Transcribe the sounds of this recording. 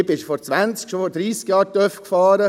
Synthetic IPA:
bɪʃfɔɾt͡sʋant͡skʃofɔɾdɾiːsɡjɑːɾtœfkfɑːɾə

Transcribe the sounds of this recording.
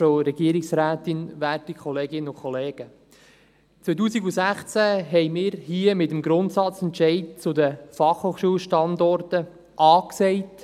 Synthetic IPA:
oɾɛɡ̥iəɾɪksɾæːtɪnvæːtikχɔleːɡɪnəʊkʰχɔleːɡ̥ə | t͡sʋœjt̬uːsiɡusæχt͡sæɦɛɪmɪːɾhiəmɪtəmɡɾʊntsɑt͡sɛntʃɛɪdt͡sʊdəfɑχhoːχʃuːəlʃtɑndɔrtə | ʔɑːksɛɪt

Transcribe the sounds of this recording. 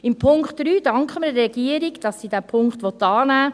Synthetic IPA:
ɪmpʰʊŋkχtɾyːd̥ɑŋkχəmədɾɛɡiəɾiɡd̥ɑsːiːdæːpʰʊŋkχtʋɔt̪ːɑːnæː

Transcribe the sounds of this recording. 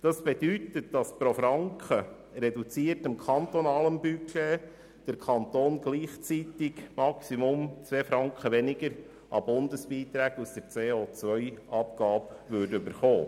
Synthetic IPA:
d̥ɑsb̥ed̥yt̪ət̚d̥ɑspɾofɾɑŋkχə | ɾɛdut͡siəɾtəmkʰɑnt̪onɑːləmbyke | d̥əɾkʰɑnt̪oːnɡ̥liːχt͡sit̪ɪɡmɑksimʊmt͡sʋeːfɾɑŋkχəʋɛnɪɡəɾ | ʔɑbʊndəsb̥iːt̪ɾæːɡusd̥əɾt͡seːoːt͡sʋœʏʔɑpɡɑːpʋøɾdʏbəɾχoː

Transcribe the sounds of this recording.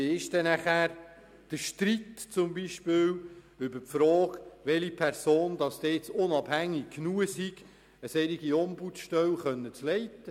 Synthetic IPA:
ɪʃdɛnæχæɾ | d̥əʃtɾitt͡sʊmbiʃpɪːl | ʏbəɾpfɾɔːɡʋɛlipʰɛɾsoːndɑsd̥̪ɛt͡sʊnɑbhæŋːɪkkːnuːəsiɡ̥ | əsɛɾiɡiɔmbutʃtœwχœnːət͡slɛɪtə

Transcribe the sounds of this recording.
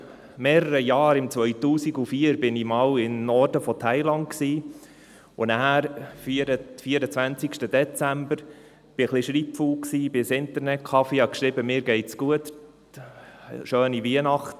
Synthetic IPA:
mɛːɾəɾəjɑːɾɪmt͡sʋœʏtuːsiɡufiəɾbɪnimɑːwɪnnɔɾdəfɔtʰæɪlɑntksiː | ʊnææɾfiɾəfiəɾət͡sʋænt͡sɪkʃtəd̥̪ɛt͡sæmbəɾ | b̥ɪχliʃɾiːpfulksiːbɪsɪntəɾnɛt̚kʰɑfihɑkʃɾɪbəmɪːɾɡɛɪtsɡ̥uət | ʃøːniʋiənɑχt

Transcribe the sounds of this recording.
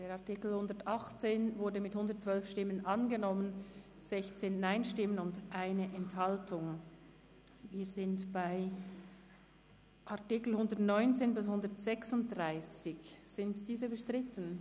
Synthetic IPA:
d̥eːʁaɐtikl̩hʊndətʔɑχt͡seːnvʊɐdəmɪthʊndət̚t͡sv̥œlfʃtɪmənʔɑnɡənɔmən | z̥ɛçt͡seːnːaɪnʃtɪmənʊndʔaɪnəʔɛnthaltʰʊŋ | viːzɪntb̥aɪ | ʔaɐtikl̩hʊndətnɔʏnt͡seːnbɪshʊndətz̥ɛksʊnt̚d̥ʁaɪsɪçz̥ɪntd̥iːzəbəʃtʁ̥ɪtən̩

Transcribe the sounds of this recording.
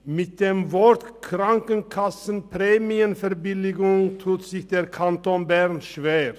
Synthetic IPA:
mɪt̚d̥eːmvɔɐtkʁaŋkənkʰasn̩pʁeːmiənfɛɐbɪlɪɡʊŋtʰuːtz̥ɪçd̥eːɐkʰantoːnbɛʁnʃv̥eːʁ

